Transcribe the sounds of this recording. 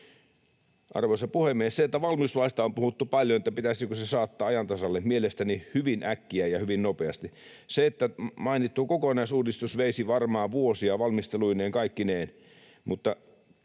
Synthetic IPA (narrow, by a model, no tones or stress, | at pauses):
ʔɑ̰rʋoisɑpuhemːieˑsseet̪ːæʋɑlmislɑist̪ɑompuhut̪ːupɑljonet̪ːæpit̪æsikusesɑːt̪ːɑːɑjɑnt̪ɑsɑlːemmielest̪ænihyʋinʔækːiæjɑhyʋinnopeɑst̪i | seet̪ːæmɑinit̪ːukokonɑisuːdist̪usʋeisiʋɑrmɑːʋuosiɑʋɑlmist̪eluineːŋkɑikːineːn | mut̪ːɑ